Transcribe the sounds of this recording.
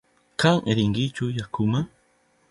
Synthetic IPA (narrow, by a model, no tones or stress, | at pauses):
kaŋʔeɾiŋɡɪt͡ʃʊjakʰʊma